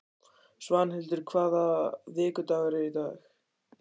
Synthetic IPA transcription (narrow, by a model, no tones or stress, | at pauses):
svanhɪlt̪ʏɾ̥kʰvaːðaðɪːkʏt̪aːɣaɾɪit̪aːx